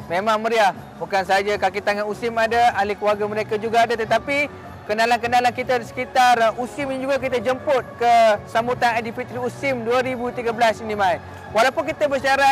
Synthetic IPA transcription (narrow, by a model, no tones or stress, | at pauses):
memãŋməɾiah | bukansəɦad͡ʒakakit̪aŋanusɪmadəalikəlwaɡaməɾekad͡ʒuɡaːdat̪ət̪api | kənalank̬ənalankit̪adisə̥kit̪arusɪmind͡ʒuɡak̬it̪əd͡ʒəmpʊt̪̚kəsambut̪anadifit̪ɾiusɪmduəɾibut̪iɡəblasinimãi | walawpʊnkit̪əbəʃaɾa